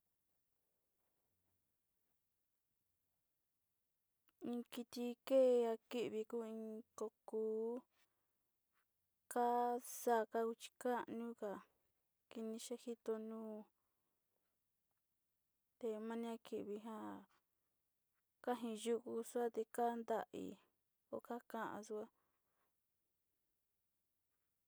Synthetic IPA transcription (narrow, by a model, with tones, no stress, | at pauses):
ĩ˧ki˧t̪i˧ke˦˨˧a˧ki˦ʔβi˧ku˦ĩ˧ko˧kuː˧˦ | ka˦sa˦˧ka˧ku˧t͡ʃi̥˧ka˦ʔnũ˦ka˨ | ki˧nĩ˧ʃe˦hi˦t̪o˧nũː˦ | t̪e˧mã˦nĩ˦a˧ki˧ʔβi˧ɦã˦ | ka˦ɦĩ˧ju˧ku˧su˦a˦t̪e˧ka˦nd̪a˧ʔḭ˧ | o˧˨ka˦kã˧ʔã̰˧su˧a˦